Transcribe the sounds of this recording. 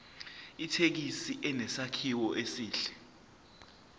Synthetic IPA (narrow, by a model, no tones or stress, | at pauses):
itʰek̬isiʔɛnɛsakʰiwɔʔesiːɬɛ̥